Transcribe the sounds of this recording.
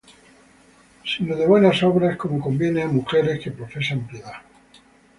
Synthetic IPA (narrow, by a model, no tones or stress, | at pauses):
sinoðe̞βwe̞naso̞βɾaesko̞moko̞mbje̞neamuxe̞ɾe̞ske̞pɾo̞fe̞sampje̞ða